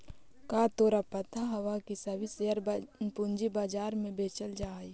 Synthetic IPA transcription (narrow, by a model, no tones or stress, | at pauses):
kaːt̪oːɾapɐt̪aɦɐwakisɐbʱiseəɾpʊɲd͡ʒibaːd͡ʒaːɾmẽbeːt͡ʃəld͡ʒaːi